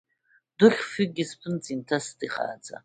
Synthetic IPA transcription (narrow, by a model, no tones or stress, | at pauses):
d̥ɨχʲfiɡʲispʰɨnt͡sʼintʰasdiχa̰ːt͡sʼa̰